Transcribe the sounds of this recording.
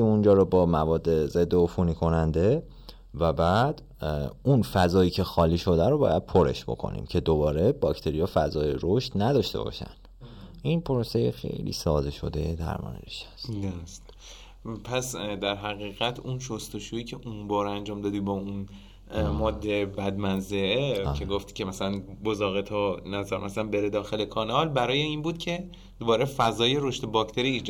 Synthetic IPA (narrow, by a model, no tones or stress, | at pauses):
iund͡ʒɒːɾobɒːmævɒːd̪ːe̞ze̞d̪ːeofuniːkʰo̞nænd̪e̞ | væbæːd̪̥ | unfæzɒːjiːcʰe̞xɒːliːʃo̞d̪æɾobɒ̰ːjæd̪̥̚pʰoɾe̞̰ʃb̥o̞̰kʰo̞̰nḭmcʰe̞d̪obɒːɾe̞bɒcʰt̪ʰe̞ɾijɒfæzɒːjeɾoʃt̪næd̪ɒʃt̪e̞̰bɒ̰ːʃæ̰nd̪̥ʔinpʰoɾosejexḛjlḭːsɒːd̪eʃo̞̰d̪ejed̪æ̰ɾmɒ̰ːnḛeʃæ̥st̪d̪st̪ | pʰæsd̪æɾɦæɣiːɣæt̪ʰunʃost̪o̞ʃuiːcʰe̞ʔunbɒːɾænd͡ʒɒːmd̪ɒːd̪iːbɒːun | mɒːd̪ːe̞bæd̪mænzeʔecʰe̞ɡoft̪cʰemæsælænbozɒːɣet̪ʰɒːnæzæɾmæsælænbe̞ɾed̪ɒːxe̞lekʰɒːnɒːlbæɾɒːje̞iːnbuːd̪̚cʰe̞ | d̪̥obɒːɾefæzɒːjeɾoʃt̪ebɒcʰt̪ʰe̞ɾiːd͡ʒ